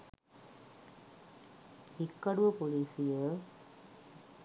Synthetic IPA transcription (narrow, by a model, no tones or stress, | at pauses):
hikːɐɽuʋəpoliːsijə